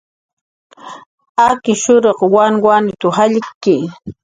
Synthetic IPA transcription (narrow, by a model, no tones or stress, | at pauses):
akɪʃʊɾoqwanwanɪt̪ʊhaʎkːɪ